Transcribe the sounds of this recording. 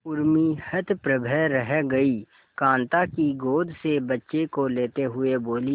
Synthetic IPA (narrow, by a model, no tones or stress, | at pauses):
ʊɾmihət̪ʰpɾəbʱɛɾəɦɛɡɐi | kãːnt̪akiɡoːd̪ʱsebɐtːʃekoleːt̪eɦʊeboːli